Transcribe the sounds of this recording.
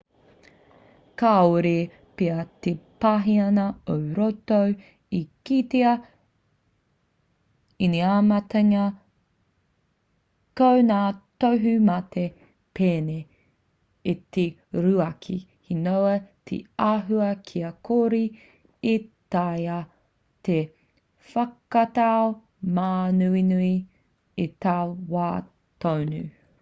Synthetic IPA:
kaoɾe | peɐt̪epaɦiɐnɐowɾotow | ikiteɐ | iniamɐtɐŋɐ | kownaːtowɦʉmɐt̪e | pʰeːne | it̪e | ɾuɐkʰḭhinowɐt̪ʰḛaɦuɐkʰiɐkʰoɾi | it̪aja | t̪e | fɐkɐtao | maːnuinui | it̪aːwaː | t̪ownʉ

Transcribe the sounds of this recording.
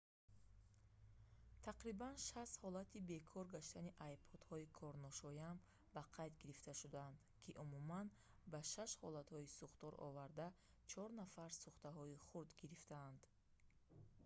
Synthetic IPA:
t̪ʰaqɾibanʃast̪hɔlat̪ʰibe̞kʰɔɾɡaʃt̪aniʔajbʰɔd̪hɔikʰɔɾnɔʃɔjam | baqʰajd̪ɡiɾift̪aʃud̪aand̪ | kʰiʔumuman | baʃaʃhɔlat̪hɔisuχt̪ɔɾʔɔ̰vaɾd̪a | t͡ʃʰɔɾnafaɾsuχt̪aɦɔiχuɾd̪ɡiɾift̪ʰaːnd̪̥

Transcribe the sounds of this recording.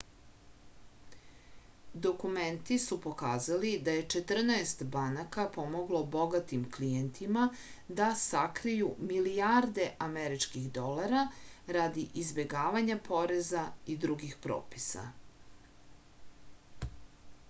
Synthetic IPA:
d̪o̞kument̪isupo̞kaːzalid̪aje̞t͡ʃe̞t̪r̩naest̪banakapo̞mo̞ɡlˠo̞bo̞ɡat̪imklijent̪ʰima | d̪asakɾijumilijaɾd̪e̞ʔameɾit͡ʂkiɣd̪o̞laɾaɾad̪iʔizbe̞ɡaːʋaɲapʰo̞ɾe̞zaid̪ɾuɡixpɾo̰ːpi̥sa̰

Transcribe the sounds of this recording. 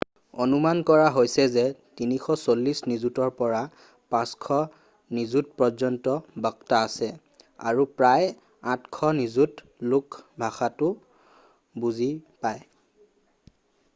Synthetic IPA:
onumankɔɹaɦojsɛzɛtinixʰɔsolːisnizutɔɹpɔɹa | pãskʰɔ | nizut̚pɔzɔntɔbɔktaːsɛ | a̰ɹupɹaj | ãtkʰɔnizut | lʊkbʱaxatʊ | buzipaj

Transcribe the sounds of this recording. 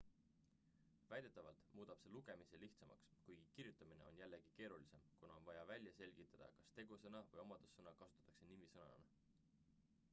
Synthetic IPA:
væjd̪̥e̞t̪ːˑɑvɑlt̪muːd̪̥ɑb̥se̞luɡ̥e̞misiliht̪sɑmɑ̰kskujɡ̥ikirjut̪ːˑɑmine̞̰o̞njælːe̞ɡ̥ike̞ːɾulise̞mkunɑonvɑjɑvælʲjɑse̞lʲɡ̥it̪ːˑɑd̪̥ɑ̰kɑst̪e̞ɡ̥usɤnɑvɤjo̞mɑd̪̥usːɤnɑkɑsut̪ːˑɑ̥t̪ːˑɑ̥kse̞nimisɤnɑ̰n

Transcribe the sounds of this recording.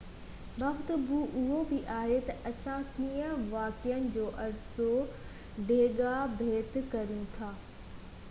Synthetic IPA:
baxt̪əbuʔʊɦobɪʔaːɦet̪ɐʔɐsãkiːə̃ʋaːkɪjənɪ̆d͡ʑoːʔɐɾso | ɖeːɠabʱeːt̪kɐɾijũt̪ʰaː

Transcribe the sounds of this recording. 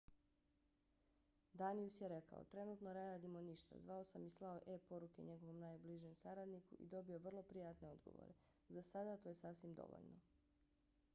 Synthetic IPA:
d̪aːniusjeɾe̞ka̰o̰t̪ɾe̞nuːt̪no̞ne̞ɾaːd̪imo̞niʃt̪a̰zʋao̞samislˠao̞ʔepo̞ɾuke̞̰ɲe̞ɡo̞ʋo̞mnaːjbliʒemsaɾad̪nikṵʔḭd̪o̞bio̞ʋr̩lˠo̞pɾijaːt̪ne̞o̞d̪ɡo̰ʋo̰ɾe̞ | zasad̪at̪o̞ːje̞sasʋimd̪o̰ʋo̰ʎno̰

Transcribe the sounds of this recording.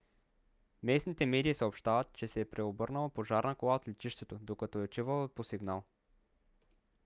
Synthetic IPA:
mɛsnit̪ɛmɛd̪iːsɐopʃt̪avət̪t͡ʃɛsɛːpɾɛobɤɾnəlˠɐpoʒaɾnəkolˠaot̪lɛt͡ʃ̪iʃt̪ɛt̪od̪okɐt̪ɔɛot͡ʃ̪ivəlˠəposiɡnalˠ

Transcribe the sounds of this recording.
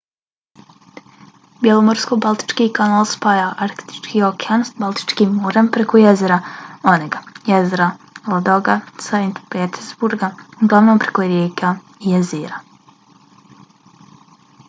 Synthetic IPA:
bjelˠomoɾskobalˠt̪i̥t͡ʃkiːkanalˠspajaʔaɾk̪t̪i̥t͡ʃkiokeanst̪balˠt̪i̥t͡ʃkiːmːoɾampɾekojezeɾaoneɡajezeɾalod̪oɡasaint̪peːt̪ʰeɾzbuɾɡauɡlˠaʋnompɾekoɾjeːka | ijeziːɾa

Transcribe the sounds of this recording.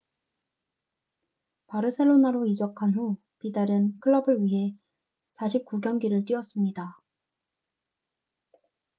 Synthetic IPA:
paɾɯsʰe̞ɭːonaɾoid͡ʑʌkʰanɸu | pidaɾɯnkʰɯɭːʌbɯɭɥiɦe̞ | sʰaɕʰip̚k͈uɡjʌŋɡiɾɯɭt͈wɥiʌs͈ɯmɲida

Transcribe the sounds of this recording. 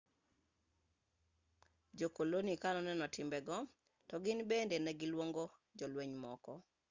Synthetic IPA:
d͡ʒokolonikanɔnɛnɔtʰɪmbɛɡɔ | tɔɡɪnbendenɛɡɪlwoŋɡod͡ʒɔlweɲmɔkɔ

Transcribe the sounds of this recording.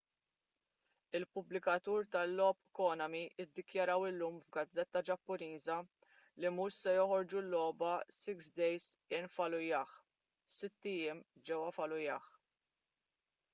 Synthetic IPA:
ɪlpʊblɪkɐt̪uːɾt̪ɐlːɔːpːkɔːnɐmiʔɪd̪ːɪkjɐɾɐwɪlːuːmvɡɐd͡zːɛt̪ːɐd͡ʒɐpːʊniːzɐ | limuʃsɛjɔħɔɾd͡ʒulːɔːbɐsɪksd̪ɛjz | ɪnfɐlʊjɐːħ | sɪt̪ːijɪmd͡ʒɛwɐfɐlʊjɐːħ

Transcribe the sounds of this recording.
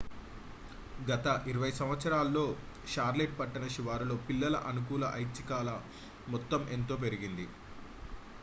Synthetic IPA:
ɡɐt̪ɐʔiɾɐʋɐjsɐmʋɐt̪sɐɾaːlːo̞ː | ʂaːɾleʈ̚pɐʈːɐnɐʃiʋaːɾulo̞ːpilːɐlɐ̰ʔɐnuk̬uːlɐʔɐjt͡ʃːikaːlɐ | mɔt̪ːɐmʔe̞nt̪o̞ːp̬e̞ɾiɡind̪i

